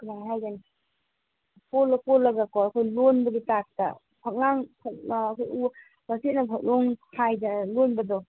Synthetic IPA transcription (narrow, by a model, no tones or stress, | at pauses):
knaŋɦajɡan | kolakolːaɡakɔakʰɔjlonbaɡitak̚ta̰ | pʰak̚laŋpʰaakʰɔju | basit̚napʰak̚loŋkʰajdalonbadɔ